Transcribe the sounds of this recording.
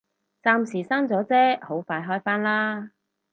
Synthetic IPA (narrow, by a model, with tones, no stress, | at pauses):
t͡saː˧msiː˨˩saː˥ŋt͡sɔː˨˥t͡sɛː˥ho˨˥wfaː˧jɦɔː˥jfaː˥nlaː˥